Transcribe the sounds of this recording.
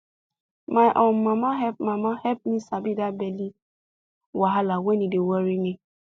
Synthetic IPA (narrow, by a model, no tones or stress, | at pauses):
majʔõnmãmãɦɛpmãmãhɛp̚mĩsabidabɛli | waɦalawɛ̃nĩdewɔɾinĩ